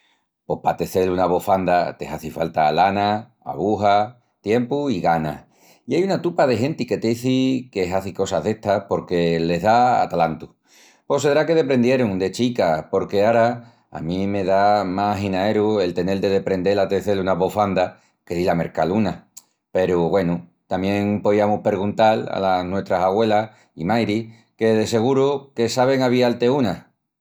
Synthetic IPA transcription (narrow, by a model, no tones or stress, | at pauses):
po̞hpat̪e̞θe̞lunaβo̞fand̪at̪e̞ɦaθifalt̪alana | a̰βuɦa | t̪je̞mpuiɣana̰ | iajunat̪upað̞e̞ɦe̞nt̪ike̞t̪eiθike̞ɦaθiko̞saɦðe̞ht̪apo̞ɾke̞le̞ɦðaa̰t̪alant̪u | po̞seðɾake̞ðe̞pɾe̞nd̪je̞ɾuŋd̪e̞t͡ʃikapo̞ɾke̞aɾa | a̰mĩme̞ðamaɦinae̞ɾue̞lt̪e̞ne̞ld̪e̞ðe̞pɾe̞nd̪e̞lat̪eθe̞lunaβofand̪a | ke̞ðilame̞̰ɾkaluna | pe̞ɾuβwe̞nut̪amjẽ̞ŋpo̞ðiamuhpe̞ɾɣunt̪ala̰lanwe̞t̪ɾasaɣwe̞la | imajɾi | ke̞ðe̞se̞ɣ̞uɾuke̞saβ̞e̞ŋaβ̞ialt̪e̞una